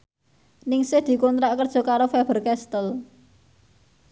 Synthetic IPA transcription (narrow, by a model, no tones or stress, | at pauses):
nɪŋsɪhd̪̥i̤kont̪ɾaʔkərd̥ʒ̥ɔ̤kaɾofɛb̥ə̤rkɛst̪əl